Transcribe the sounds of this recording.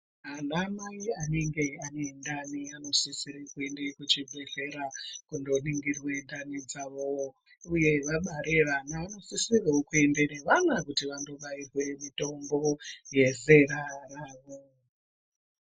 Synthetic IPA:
ɦanamaiane̞ŋɡe̞anendaniano̞sisirikuendekut͡ʃibʱeɮe̞ɾakundo̞niŋɡirwe̞ndanid͡zaʋo | uje̞ʋaɓaɾe̞ʋanaːno̞sisireokue̞ndene̞ʋanakutiʋando̞ɓairwe̞mito̞mbo̞je̞ze̞ɾaraːʋo

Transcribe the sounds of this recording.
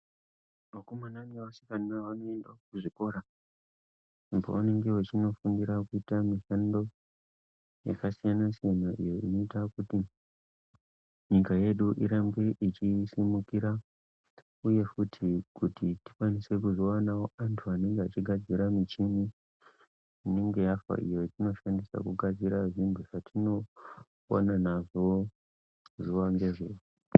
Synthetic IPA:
makomanaŋʋasikaniaʋano̞e̞ndaokuʐiko̞ɾa | ʐimbo̰wane̞ŋɡe̞wet͡ʃino̞fundiɾakuitamiʃando̞ | ja̰kasijanasijanaʔḭjo̞ino̞itakuti | ɲikaje̞ɗuʔiɾambe̞ʔit͡ʃisimukiɾa | uje̞futʰikutiti̥kwanise̞kuzowanawoantʰuane̞ŋɡeat͡ʃiɡʱad͡ziɾamit͡ʃimi | ine̞ŋɡe̞jafa̰ʔḭjo̞tino̞ʃandisa̰kuɡʱad͡ziɾaʐimbuʐatʰino̞ː | nanaʐoo | ʐiwaŋɡe̞ʐeːu

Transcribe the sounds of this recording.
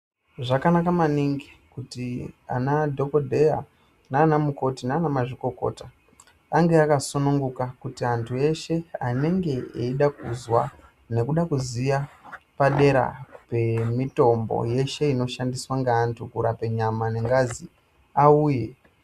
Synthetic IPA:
ʐakanakamaniŋɡikutia̰nadʱo̞po̞dʱe̞ja̰ | naːnamuko̞tinaːnamaʐiko̞ko̞̰ta | aŋɡe̞akasonuŋɡukakutiantʰue̞ʃe̞ane̞ŋɡe̞eiɗakuzwa | ne̞kuɗakuzijapaɗe̞ɾa̰pe̞mito̞mbo̞̰je̞ʃe̞ino̞ʃandiswaŋɡaːntʰukuɾape̞ɲamane̞ŋɡazi | auːje̞

